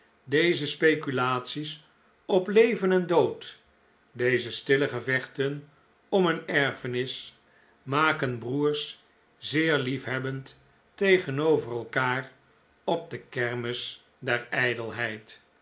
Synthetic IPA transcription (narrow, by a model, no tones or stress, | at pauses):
dejzəspejkylaːtsis | ɔplejvənɛndowt | dejzəstɪləχəvɛχtən | ɔmənɛɹfənɪs | maːkənbruːɹs | zɪːɹlifɦɛbəntː | ejχənowvərɛlˠkaːr | ɔb̚dəkɛɹməs | dɛɹɛjdəlˠɦɛjt